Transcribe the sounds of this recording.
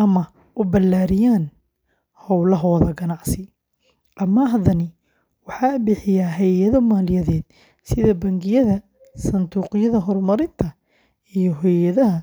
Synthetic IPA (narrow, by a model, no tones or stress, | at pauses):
ʔɐmɐ | ʔʊbɐlːaːɾɪjaːn | hɔwlɐɦɔːðɐɡɐnɑʕsɪ | ʔɐmːɐɦɐðɐnɪ | wɑħɑːbɪħɪjaɦɛjjɐðɔmaːljɐðɛːd̪̥ | sɪðɐbɐŋɡɪjɐðɐ | sɐnd̪uːqɪjɐðɐɦɔrmɐɾɪnt̪ʰɐ | ijɔɦɔjɐðɐɦɐ